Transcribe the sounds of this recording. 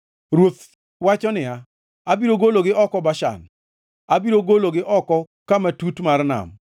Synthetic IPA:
ɾwot̪ | wat͡ʃɔnɪa | abiɾoɡoloɡɪʔɔkɔbaʃa̰n | abiɾoɡoloɡɪʔɔkɔ | kamatutmarna̰m

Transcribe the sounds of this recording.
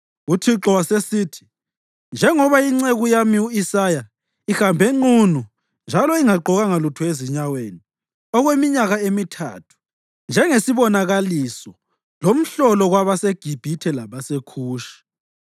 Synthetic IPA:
utʰiǁɔwasesiːtʰi̥ | nd͡ʒʱɛŋɔβaiŋ͡ǀeɣujamiuisaja | ixambʱɛŋ͡ǃunu | nd͡ʒʱalɔiŋaǃɔɣaŋalutʰueziɲaweːni | ɔɣwemiɲaɣaemitʰa̰ːtʰu̥ | nd͡ʒʱɛŋesiβɔnaɣalisɔ | lom̩ɬɔlɔɣwaβaseɡ̥ʱib̥ʱitʰɛlaβasekʰuːʃi̥

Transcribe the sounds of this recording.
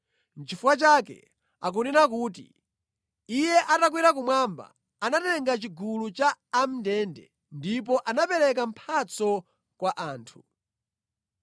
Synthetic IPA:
n̩t͡ʃifuwat͡ʃakɛ̰ | a̰k̬uninak̬uːt̬ḭ | ijɛʔatak̬wiɾakumwaːmba̰ | anatɛŋɡat͡ʃiɡulut͡ʃaːm̩ndɛndɛ̰ | ndip̬ɔʔanapɛɾɛk̬am̩pʰat͡sɔ | kwaʔaːntʰu̥

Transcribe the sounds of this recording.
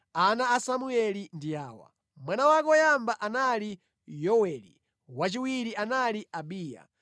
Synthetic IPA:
anaːsamuɛlindiaːwa̰ | mwanawakɔjambaʔanali | jɔwɛːlḭ | wat͡ʃiwiɾianaliabiːja̰

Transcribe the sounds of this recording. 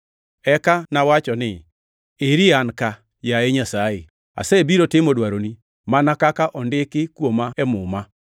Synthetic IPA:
ɛkanawat͡ʃɔnɪ | eɾianka | jaeɲasae | a̰sɛbiɾotɪmodwaɾoni | manakakaʔɔndɪkɪkwomaɛmʊma

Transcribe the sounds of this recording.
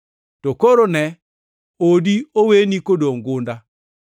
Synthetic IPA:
tokoɾonɛ | odiowenikodoŋɡʊnda

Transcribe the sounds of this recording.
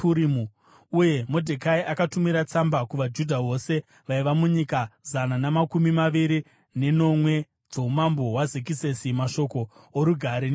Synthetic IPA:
uɾimu | uje̞mo̞dʱekaiʔakatumiɾat͡sambakuʋad͡ʒudʱaɦo̞se̞ | ʋaiʋamuɲikazananamakumimaʋiɾi | ne̞no̞mwe̞ | d͡zo̞umambo̞ɦwazik̬ise̞simaʃo̞ko̞ː | ɾuɡʱaɾen

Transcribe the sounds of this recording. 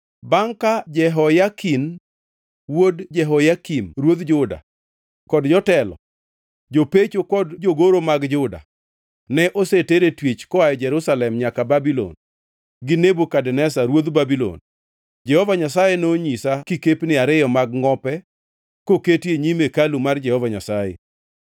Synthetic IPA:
baŋkad͡ʒɛɦɔjakin | wodd͡ʒɛɦɔjakimɾwod̪d͡ʒʊda̰ | kɔdd͡ʒɔtɛlɔ̰ | d͡ʒopet͡ʃokɔdd͡ʒoɡoɾomaɡd͡ʒʊda̰ | nɛʔoseteɾetwit͡ʃkɔajd͡ʒɛɾʊsalɛmɲakababilo̰n | ɡɪnebokadɛnɛsaɾwod̪babilo̰n | d͡ʒɛhɔvaɲasajenoɲisakikepnɪaɾɪjɔmaɡŋɔpɛ | koketjeɲimekalumard͡ʒɛhɔvaɲasajḛ

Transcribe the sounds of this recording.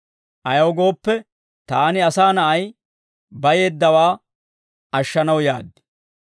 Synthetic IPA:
ʔɐjɐwɡo̞ːpːɛ | t̪aːnɪɐsaːnɐʔɐj | bɐje̞ːd̪ːɐwaː | ɐʃːɐnɐwja̰ːd̪ːɪ̥

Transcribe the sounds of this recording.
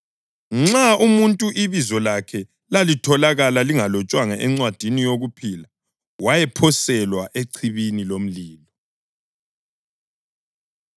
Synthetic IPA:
ŋ͡ǁaumuntʼuʔiβizɔlakʰɛ | lalitʰɔlaɣalaliŋalɔt͡ʃʼwaŋaʔɛŋ͡ǀwad̥ʱinijoɣupʰila | wajɛpʰɔsɛlwaʔeǀʰiβinilom̩liːlɔ

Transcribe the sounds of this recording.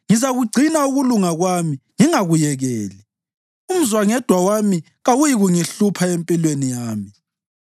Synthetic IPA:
ŋizaɣuɡ͡ǀʱinauɣuluŋaɣwamiŋiŋaɣujɛɣɛ̰ːli | um̩zwaŋɛd̥ʱwawami | ɣawujiɣuŋiɬupʰaempʼilwenijaːmi

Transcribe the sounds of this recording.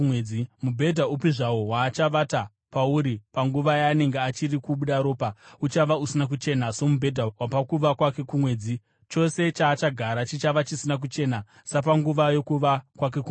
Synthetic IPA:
eimubʱe̞dʱaupiʐaowaːt͡ʃaʋata | pauɾipaŋɡuʋajaːne̞ŋɡeat͡ʃirikuɓuɗaɾo̞ːpaut͡ʃaʋausinak̬ut͡ʃe̞naso̞mubʱe̞dʱawapakuʋakwake̞kumwe̞ːd͡zi | t͡ʃo̞se̞t͡ʃaːt͡ʃaɡʱaɾat͡ʃit͡ʃaʋat͡ʃisinak̬ut͡ʃe̞ːna | sap̬aŋɡuʋajo̞kuʋakwak̬e̞ku

